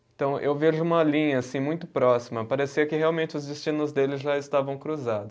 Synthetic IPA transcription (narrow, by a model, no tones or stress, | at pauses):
ẽt̪ɐ̃w̃ʔewveʒʊũmɐlĩɲɐasĩmũj̃t̪ʊpɾɔsimɐpaɾesiɐkɪheawmẽnt͡ʃɪʊzd͡ʒɪst͡ʃĩnʊzd̪elɪʒaɪst̪avɐ̃w̃kɾuzad̪ʊs